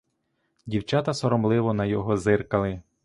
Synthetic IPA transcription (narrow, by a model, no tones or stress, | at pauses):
dʲiwt͡ʃɑt̪ɐsɔɾɔmlˠɪʋɔnɐjɔɦɔzɪrkɐlˠɪ